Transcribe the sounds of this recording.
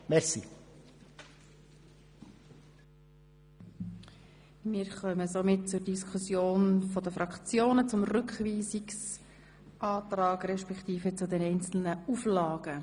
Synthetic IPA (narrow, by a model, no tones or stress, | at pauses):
mɛɾsḭ | mɪːɾχœməzomɪt̚t͡sʊrd̥iskʰusjoːnfɔd̥̪əfɾɑkt͡sjoːnət͡sʊmrʏkχʋiːziks | ʔɑːt̪ɾɑːɡɾɛʃpɛkt̪iːfət͡sʊd̪ɛnɛɪnt͡sl̩nəuflɑːɡ̥ə